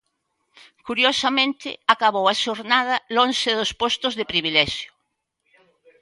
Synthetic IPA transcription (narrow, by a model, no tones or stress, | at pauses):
kuɾjosamẽnt̪ɪ̰akaβowaʃoɾnað̞ɐlonʃɪðospost̪ʊzðepɾiβilɛʃjo